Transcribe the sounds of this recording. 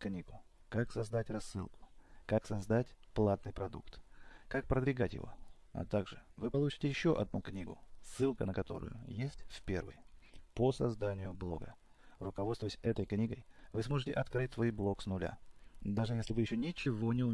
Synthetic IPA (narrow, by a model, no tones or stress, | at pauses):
knʲiɡʊ | kaksɐzd̪atʲrɐsːɨ̰lˠkʊ̥kaksɐzd̪atʲplˠat̪̚nɨjpɾɐd̪ṵkt̪kak̚pɾəd̪vʲɪɡatʲjɪ̰vo̞̰ | ɐ̰t̪aɡʐɨvɨpɐlˠut͡ɕɪ̥tʲɪjɪɕːo̞ʔɐ̰d̪nuknʲiɡʊ̰sːɨlˠkənəkɐt̪o̞̰ɾʊ̰jʊ̰jesʲtʲfʲpʲe̞̰rvɨ̰jposɐzd̪anʲɪjʊblˠo̞̰ɡə̰ | rʊkɐvo̞t̪stvʊəjɪsʲɛt̪əjknʲiɡəjvɨsmo̞ʐɨtʲɪʔɐt̪kɾɨt̚ʲt̪vojblˠo̞ksnʊlʲa̰d̪aʐɨjesʲlʲɪvɨjɪɕːonʲɪt͡ɕɪvo̞nʲɪʊ